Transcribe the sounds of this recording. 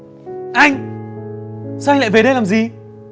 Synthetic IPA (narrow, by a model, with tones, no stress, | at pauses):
ʔa˧jŋ̟ | sa˧wa˧ŋla̰˧˨ve˨˩ɗə˧jlaː˨˩mzi˨˩